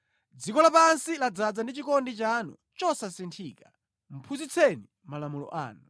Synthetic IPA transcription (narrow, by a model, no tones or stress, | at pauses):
d͡zikɔlapansilad͡zad͡zandit͡ʃikɔndit͡ʃanṵ | t͡ʃɔsasintʰiːka | m̩pʰuzit͡sʰɛni | malamulɔ̰ʔa̰ːnu